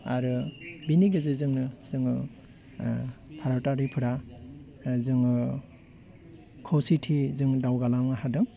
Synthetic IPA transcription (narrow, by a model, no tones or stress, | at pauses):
aɾɯbiniɡɯzɯzɯŋnɯzɯŋɯ | pʰaɾawtaɾipʰɯɾa | zɯŋɯ | kʰowsitʰizɯŋdawɡalamnaɦadɯŋ